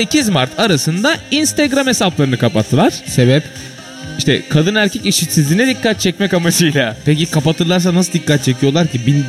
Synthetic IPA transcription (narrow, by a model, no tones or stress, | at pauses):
se̞cʰizmaɾt̪ʰaɾasɯnd̪ainst̪eɡɾame̞saplˠaɾɯnɯkʰapat̪ʰːɯlˠaɾ̥se̞bɛp | iʃt̪ʰɛkʰad̪ɯnæɾcʰɛciʃit̪sizlʲinɛd̪icːat̪̚t͡ʃʰɛcmɛcamad͡ʒɯjlˠapecikʰapat̪ʰɯɾlˠaɾs̬anas̬ɯlˠd̪ikʰːat̪̚t͡ʃʰecʰijo̞lˠaɾcibin